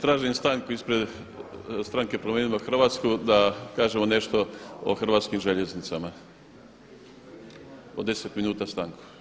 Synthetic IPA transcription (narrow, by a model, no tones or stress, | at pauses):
t̪ɾaːʒimst̪aŋkuispɾe̞d̪ | st̪ɾaŋke̞pɾomeːnimoxr̩ʋaːt̪skud̪akaːʒemo̞ne̞ʃt̪o̞o̰xr̩ʋaːt̪skimʒe̞ʎe̞znit̪sama | od̪e̞set̪minuːt̪ast̪aŋku̥